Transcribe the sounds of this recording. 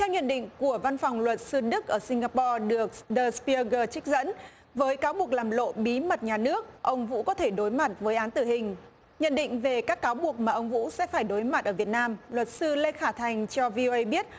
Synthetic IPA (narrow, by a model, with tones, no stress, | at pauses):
t̪ʰɛ˧wɲə̰˧˨nɗḭ̈˧˨ŋ̟ku˧˩əva˧nfwŋ͡mlwə˨˩t̚sɨ˧ɗɨ˦˥k̚ʔəː˧˩si˧ŋ̟ɣaː˧pɔ˧ɗɨ˨˩ək̚ɗəː˧˩spi˧ə˧ɣəː˧˩t͡ɕï˦˥k̟̚zə̰˧˥n | vəː˨˦jkaː˨˦wɓu˨˩ək̚laː˨˩mlo̰˧˨ɓi˨˦mə˨˩t̚ɲaː˨˩nɨ˦˥ək̚ʔə˧wŋ͡mvṵ˧˥kɔ˨˦t̪ʰe˧˩ɗo˨˦jma˨˩t̚vəː˨˦jʔaː˨˦nt̪ɨ˧˩ɦï˨˩ŋ̟ | ɲə̰˧˨nɗḭ̈˧˨ŋ̟ve˨˩kaː˦˥kːaː˨˦wɓu˨˩ək̚maː˨˩ʔə˧wŋ͡mvṵ˧˥sɛ̰˧˥faː˧˩jɗo˨˦jma˨˩t̚ʔəː˧˩vi˨˩ət̚naː˧mlwə˨˩t̚sɨ˧le˧xaː˧˩t̪ʰa˨˩jŋ̟t͡ɕɔ˧vi˧ʔo˧ʔə˧jɓi˦˥ət̚